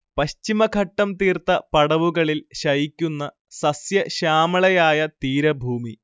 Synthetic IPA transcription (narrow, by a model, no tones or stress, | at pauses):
pɐɕt͡ɕimɐkʰɐʈːɐmt̪iːrt̪ɐpɐɽɐʋuɣɐɭilɕɐjikʲːunːɐ | sɐsjɐɕaːmɐɭɐjaːjɐt̪iːɾɐbʱuːmi